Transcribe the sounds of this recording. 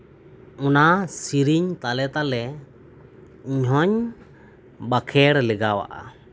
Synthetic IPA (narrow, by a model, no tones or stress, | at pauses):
ɔnasiɾiɲt̪alɛt̪alɛ | iɲɦɔɲ | bakʰɛɽlɛɡawa̰ʔa̰